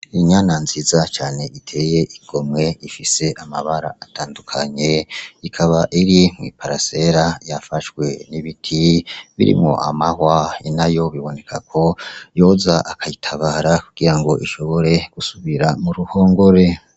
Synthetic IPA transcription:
iɲaːnanzizat͡ʃaːne̞ʔitʰe̞ːje̞ʔiɡ̥o̞mŋe̞ifise̞ʔamaβaɾa̰atʰaːndukʰaɲe̞ikʰaβaʔiɾim̥ŋwḭːpaɾase̞ɾajafaʃwe̞niβitʰiβḭɾḭmŋo̞̰a̰mahwainajo̞βiβo̞ne̞kʰakʰo̞jo̞zaʔakʰajitʰaβaːɾakuɡ̥iɾaŋɡo̞ʔiʃo̞βo̞ɾe̞ɡ̥usuβiɾamuɾuho̞ːŋɡo̞ɾe̞

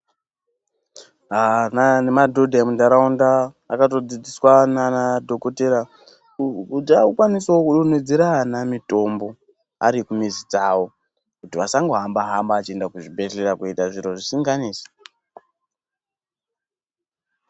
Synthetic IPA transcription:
ananemadʱodʱaemundaɾaundaː | katod͡zid͡ziswananadʱokoteɾa | udaukwanisaokuɗoned͡zeɾanamito̞mbo̞ | a̰ɾikumizit͡sao̞ | kutiʋasaŋɡoɦambaɦambaːt͡ʃie̞ndakuʐibe̞ɮeɾakuitaʐiɾo̞ʐisiŋɡaniːse̥

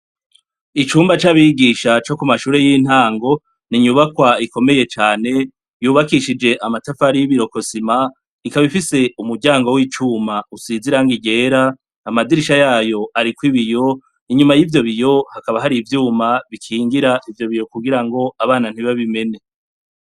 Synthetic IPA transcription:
it͡ʃuːmbat͡ʃaβiɡiʃat͡ʃo̞kumaʃuːɾe̞jin̥haːŋɡo̞ | niɲuβakwaiko̞me̞je̞t͡ʃaːne̞ | juːβakiʃid͡ʒe̞ʔamatafaɾijiβiɾo̞ko̞sima | ikaβifise̞umuɾɟaːŋɡo̞wit͡ʃuːmausiːziɾaŋɡiɟe̞ːɾa | amadiɾiʃajaːjo̞ʔaɾikwiβijo̞ | iɲumajivjo̞βijo̞hakaβaɦaɾivjuːmaβikʰiːŋɡiɾaʔivjo̞βijo̞kuɡiɾaŋɡo̞aβaːnan̥hiβaβime̞ne̞

